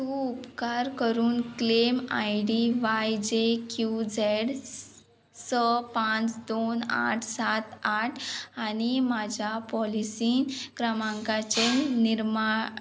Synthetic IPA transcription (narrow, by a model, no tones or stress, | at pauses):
t̪uupkaɾkəɾuːnklema̰jɽiʋajd͡ʑekjud͡zeɽ | səpãt͡sd̪ona̰ʈʰsat̪aʈʰañimad͡ʑʱjapɔlisiːnkɾəmãŋkat͡ɕeniɾma